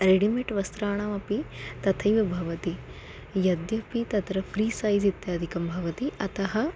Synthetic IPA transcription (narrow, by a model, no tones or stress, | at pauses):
ɾeɽimeʈʋɐst̪ɾaːɳ̃ɐmɐpit̪ɐt̪ʰɐjʋɐbʱɐʋɐt̪i | jɐd̪jɐpit̪ɐt̪ɾɐpʰɾiːsaːjzit̪jaːd̪ʱikɐmbʱɐʋɐt̪iʔɐt̪ɐɦɐ